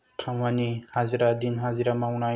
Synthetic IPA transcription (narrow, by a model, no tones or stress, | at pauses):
kʰamanihaziɾadinɦaziɾamawnaj